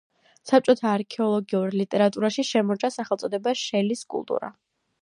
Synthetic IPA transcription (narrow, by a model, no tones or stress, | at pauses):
sap̚t͡ʃʼɔt̪ʰaːɾkʰɛɔlˠɔɡiuɾlit̪ʼɛɾat̪ʼuɾaʃiʃɛmɔɾt͡ʃʼasaχɛlt̪sʼɔd̪ɛbaʃɛliskʼṵlˠt̪ʼṵɾa̰